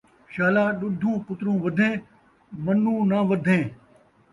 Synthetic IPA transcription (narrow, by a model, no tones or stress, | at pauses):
ʃaːlaːɗʊd̪ʱũːpʊt̪ɾũːʋəd̪ʱẽː | mənːũːnaːʋəd̪ʱẽː